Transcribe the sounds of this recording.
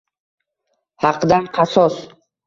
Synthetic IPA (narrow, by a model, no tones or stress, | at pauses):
hɑqʰd̪anqʰɑsɒs